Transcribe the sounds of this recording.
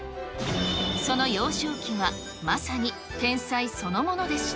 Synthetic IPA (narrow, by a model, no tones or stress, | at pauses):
so̞no̞jo̞ːɕoːkʲiβa | masaɲ̟i | t̪ẽ̞ɰ̃saiso̞no̞mo̞no̞d̪e̞s